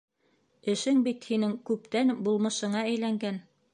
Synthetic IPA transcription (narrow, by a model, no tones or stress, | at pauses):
ɘ̆ʃɘŋbit̪hinɘŋkʉp̚t̪ænbulˠmɤ̆ʃɤ̆ɴɑæjlæŋɡæn